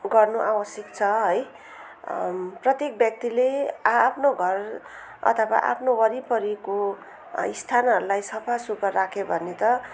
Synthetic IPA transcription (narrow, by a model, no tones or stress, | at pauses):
ɡʌrnuʔawʌsjik̚t͡sʰʌɦʌj | prʌt̪jek̚bjʌk̚t̪ileapʰnoɡʱʌr | ʌ̰t̪ʰʌwa̰ʔa̰pʰnowʌɾipʌɾiko | ḭst̪ʰanʌɾulajsʌpʰasukʌrrakʰebʱʌnet̪ʌ